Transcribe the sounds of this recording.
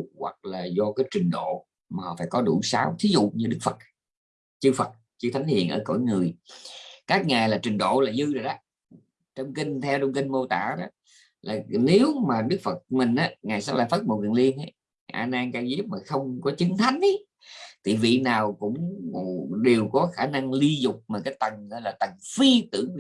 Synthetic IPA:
wa̰˨˩k̚laː˨˩zɔ˧kaː˨˦jt͡ɕï˨˩ŋ̟ɗo̰˧˨ | maː˨˩hɔ̰˧˩faː˧˦jkɔ˨˦ɗu˧˩saː˨˦wt̪ʰi˨˦zṵ˧˨ɲɨ˧ɗɨ˦˥k̚fə˨˩t̚ | t͡ɕɨ˧fə˨˩t̚ | t͡ɕɨ˧t̪ʰa˨˦jŋ̟hḭ˧˨ənʔə̰ː˧˩ko̰˧˩˨jŋɨ˨˩əj | kaː˦˥k̚ŋaː˨˩jlaː˨˩t͡ɕï˨˩ŋ̟ɗo̰˧˨laː˨˩zɨ˧zəː˨˩jɗaː˨˦ | t͡ɕə˧wŋ͡mkï˧ŋ̟t̪ʰɛ˧wt͡ɕə˧wŋ͡mki˧ŋ̟mo˧t̪a̰ː˧˨ɗɔ˨˦ | laː˨˩ne˨˦wmaː˨˩ɗɨ˦˥k̚fə˨˩t̚mï˨˩ŋ̟ʔaː˨˦ŋaː˨˩jsaː˦˥laː˧˨˦faː˦˥t̚mo˨˩wḭ˨˩nli˧ənə˨˦j | ʔaː˧naː˧ŋkaː˧jzi˦˥p̚maː˨˩xə˧wŋ͡mkɔ˨˦t͡ɕi˨˦ŋt̪ʰa˨˦jŋ̟ʔə˦ | t̪ʰi˨˩vḭ˧˨naː˨˩wkʊ̰˧˥ŋ͡m | ɗe˨˩wkɔ˨˦xaː˧˩na˧ŋli˧zʊ˨˩k͡p̚maː˨˩kaː˨˦jt̪ə˨˩ŋə˨˧˦laː˨˩t̪ə˨˩ŋfi˧t̪ɨ̰˧˩˧

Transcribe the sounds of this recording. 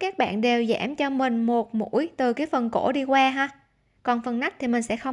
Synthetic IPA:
kaː˦˥k̚ɓa̰ː˧˨nɗe˨˩wzaː˧˥˩mt͡ɕɔ˧mï˨˩ŋ̟mo˨˩t̚mṵ˧˥jt̪ɨ˨˩kaː˨˦jfə˨˩nko̰˧˥ɗi˧kwaː˧ɦaː˧ | kɔ˨˩nfə˨˩nna˦˥k̚t̪ʰi˨˩mï˨˩ŋ̟sɛ̰˧˥xə˧ŋ͡m

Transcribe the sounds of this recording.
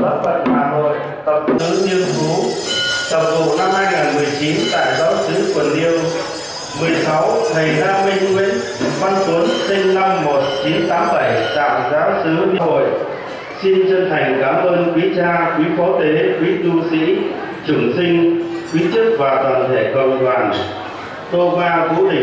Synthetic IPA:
ə˦˥p̚fə̰˧˨nhaː˨˩ɦo̰˧˨j | t̪ə˨˩k͡p̚t̪ɨ˨˦ŋni˧ənfu˨˦t̪ə˨˩p̚ɗo̰˧˨na˧mhaː˧jŋaː˨˩nmɨ˨˩əjt͡ɕi˨˦nt̪a̰ː˧˨jzaː˨˦wsɨ˨˦kə˨˩əni˧əm | mɨ˨˩əjsa˨˦wnə˨˩jhaː˧mi˧əwi˧˦nva˧nt̪u˨˦ənsi˧ŋna˧mːo˨˩t̚t͡ɕi˨˦nt̪aː˨˦mɓa˧˩jta̰ː˧˨˩mzaː˨˦wsɨ˨˦ɲɨ˧ho̰˧˨jʔ | si˧nt͡ɕə˧nt̪ʰa˨˩jŋ̟kaː˨˦mʔəː˧nkwi˨˦t͡ɕaː˧kwi˨˦fɔ˨˦t̪e˨˦kwi˨˦t̪u˧sḭ˧˥ | t͡ɕɨ˧˩ŋsï˧ŋ̟kwi˨˦t͡ɕɨ˦˥k̚vaː˨˩t̪waː˨˩nt̪ʰe˧˩kə̰˨wŋ͡mɗwaː˨˩n | t̪o˧vaː˧t̪u˨˦ɗi˧˩

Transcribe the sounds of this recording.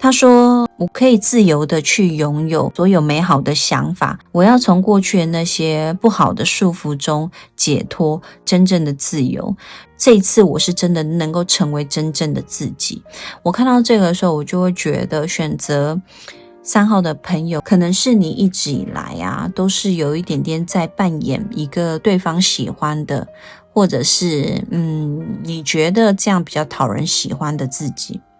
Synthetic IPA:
t̪ʰa˥ʂwɔ˥wɔ˨˩kʰə˧˥i˨˩t͡sɹ̩˥˩jo˧˥ʊd̪ə˧t͡ɕʰy˥˩jʊ˧˥ŋjo˨˩ʊswɔ˧˥jo˨˩ʊme˧˥ɪxɑ˨˩ʊd̪ə˦ɕjɑ̰˧˥ŋfa̰˨˩wɔ˨˩jɑ˥˩ʊt͡sʰʊ˧˦ŋkwɔ˥˧t͡ɕʰy˥˩na˥˧ɕjɛ˥pu˥˩xɑ˨˩ʊd̪ə˦ʂu˥˩fu˧˥ʈ͡ʂʊ˦ŋt͡ɕjɛ̰˨˩t̪ʰɔ˥ʈ͡ʂə˥nʈ͡ʂə˥˩ŋd̪ə˩t͡sɹ̩˥˩jo̰˧˥ʊʈ͡ʂɤ˥˨i˧˥t͡s̩ʰ˥˩wɔ˨˩ʂɻ̩˥˩ʈ͡ʂə˦nd̪ə˨nə˧˦ŋko˥˩ʊʈ͡ʂʰə˧˥ŋwe˧˥ɪʈ͡ʂə˥nʈ͡ʂə˥˩ŋd̪ə˩t͡sɹ̩˥˩t͡ɕḭ˨˩˦wɔ˨˩kʰa˥˧nt̪ɑ˥˧ʊʈ͡ʂɤ˥˩ɡə˩ʂ̩˧˥o˥˩wɔ˨˩t͡ɕjo˥˧ʊxwe˥˩ɪt͡ɕɥɛ̰˧˥d̪ə˧ɕɥɛ˨˩nt͡sə˧˥ | sa˥nxɑ˥˩ʊd̪ə˩pʰə˧˥ŋjo˨˩ʊkʰɤ˨˩nə˧˦ŋʂɻ̩˥˩ni˨˩ʔi˥˩ʈ͡ʂɻ̩˧˥ḭ˨˩la̰˧˥ɪɐ̰˧t̪o˥ʊʂɻ̩˥˩jo˨˩ʊi˥˩t̪jɛ˨˩nt̪ʰjɛ˧˥nt͡sa˥˧ɪpa˥˩njɛ̰˨˩ni˧˥ɡə˨t̪we˥˩ɪfɑ˥ŋɕḭ˨˩xwa˦nd̪ə̰˨ | xwɔ˥˩ʈ͡ʂɤ˨˩ʂɻ̩˥˩n̩˥˨˩ni˨˩t͡ɕɥɛ˧˥d̪ə˨ʈ͡ʂɤ˥˧jɑ˥˩ŋpi˨˩t͡ɕjɑ˥˩ʊt̪ʰɑ˨˩ʊɻə̰˧˦nɕi˨˩xwa˦nd̪ə˨t͡sɹ̩˥˩t͡ɕi˨˩˦

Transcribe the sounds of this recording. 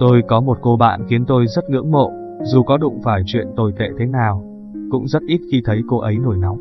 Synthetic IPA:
t̪o˧jkɔ˨˦mo˨˩t̚ko˧ɓa̰ː˧˨nxi˨˦ənt̪o˧jzə˦˥t̚ŋɨ̰˧˥əŋmo̰˧˨ | zu˨˩kɔ˨˦ɗʊ̰˧˨ŋ͡mfaː˧˩jt͡ɕwḭ˧˨ənt̪o˧˩jt̪ḛ˧˨t̪ʰe˨˦naː˨˩w | kʊ̰˧˥ŋ͡mzə˦˥t̚ʔi˦˥t̚xi˧t̪ʰə˨˦jko˧ʔə˨˦jno˧˩jna˨˦wŋ͡m

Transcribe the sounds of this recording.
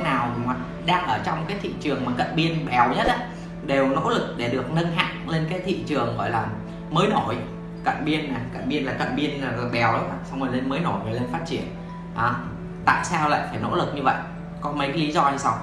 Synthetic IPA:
naː˨˩wma˨˩k̚ | ɗaː˧ŋʔəː˧˩t͡ɕɔ˧wŋ͡mkaː˨˦jt̪ʰḭ˧˨t͡ɕɨ˨˩əŋmaː˨˩kə̰˧˨nɓi˧ənɓɛ˨˦wɲə˦˥t̚ʔaː˨˦ | ɗe˨˩wno̰˧˥lɨ˨˩k̚ɗe˧˩ɗɨ˨˩ək̚nə˧nɦa̰ː˧˨ŋle˧nkaː˨˦jt̪ʰḭ˧˨t͡ɕɨ˨˩əŋɣɔ̰˧˨jlaː˨˩ | məː˨˦jno˧˩j | kə̰˧˨nɓi˧ənːa˨˩kə̰˧˨nɓi˧ənlaː˨˩kə̰˧˨nɓi˧ənaː˨˩aː˨˩ɓɛ˨˩˦wɗa˧˩sa˧wŋ͡moː˨˩le˧nməː˨˦jno˧˩jŋɨ˨˩le˧nfaː˦˥t̚t͡ɕi˧˩ən | ʔaː˨˦ | t̪a̰ː˧˨jsaː˧wla̰ː˧˨jfaː˧˩jno̰˧˥lɨ˨˩k̚ɲɨ˧və̰˧˨j | kɔ˨˦mə˨˦jkːli˨˦zɔ˧a˧jsa˧w

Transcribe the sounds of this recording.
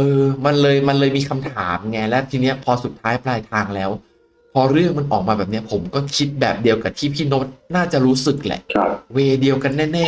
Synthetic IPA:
ʔɤː˧ma˧nlɤː˧jma˧nlɤː˧jmiː˧kʰa˧mt̪ʰaː˩˦m˧ŋa˦˥lɛ˦˥wt̪ʰiː˧ni˦˥ɐpʰɔː˧su˨˩t̪ʰːaː˦˥jplaː˧jt̪ʰaː˧ŋlɛː˦˥w | pʰɔː˧ɾɯ˥˩əŋma˧nʔɔː˨˩k̚maː˧bɛː˨˩p̚ni˦˥ɐpʰo˩˦mkɔː˥˩kʰi˦˥t̪̚bɛː˨˩p̚di˧əwka˨˩t̪ʰiː˥˩pʰiː˥˩no˦˥t̪̚naː˥˩t͡ɕa˨˩ɾuː˦˥sɯ˨˩k̚lɛ̰˨˩ʔkʰa˧˩p̚weː˧di˧əwka˧nːɛː˥˩nɛː˥˩

